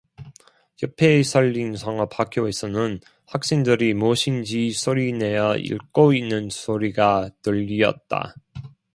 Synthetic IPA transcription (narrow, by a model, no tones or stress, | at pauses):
jʌpʰe̞sʰʌʎːinsʰʌŋʌpʰakʰjoe̞sʰʌnɯn | ɸwak̚s͈eŋdɯɾimoɕʰind͡ʑisʰoɾine̞jʌḭɭk͈oinːɯnsʰoɾiɡatɯʎːiʌ̰t̚t͈a̰